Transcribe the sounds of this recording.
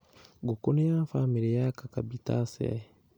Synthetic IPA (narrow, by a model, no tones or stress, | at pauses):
ɡukunejafamiɾejakakabitasɛ̰